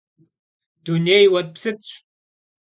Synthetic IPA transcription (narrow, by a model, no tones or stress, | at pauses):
d̥̪uneːjwɐt̪̚psɨtɕʷ